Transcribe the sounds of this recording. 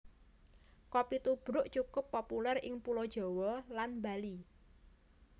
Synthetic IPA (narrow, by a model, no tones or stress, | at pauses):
kɔpit̪ub̥ɾʊʔt͡ʃukʊpːopulɛrɪ̰ŋpulɔd̥ʒ̥ɔ̤wɔlanmbali